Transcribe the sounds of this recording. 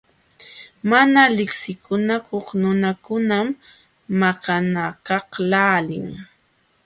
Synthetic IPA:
manalɪksɪkʊnakoχnʊnakʊnamː | ɑqɑnakɑhlaːlɪ̰ŋ

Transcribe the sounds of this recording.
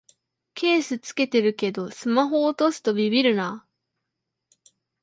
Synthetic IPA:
kʰe̞ːsɨt͡sɨ̥ke̞t̪e̞ɾɯ̟ke̞d̪o̞sɨmaɦo̞ːt̪o̞sɨ̥t̪o̞bʲibʲiɾɯ̟na

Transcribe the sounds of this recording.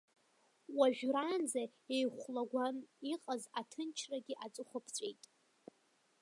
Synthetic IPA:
waʒᶣrand͡zaejχʷlaɡʷaniqʼazatʰɨnt͡ʃʰraɡʲiʔat͡sʼɨχʷʊpʰt͡sʷʼḛjtʼ

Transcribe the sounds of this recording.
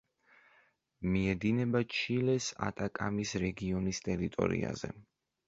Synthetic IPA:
miɛd̪inɛbat͡ʃʰilɛsa̰t̪ʼakʼamisɾɛɡiɔnist̪ʼɛɾit̪ʼɔ̰ɾḭa̰zɛ̰

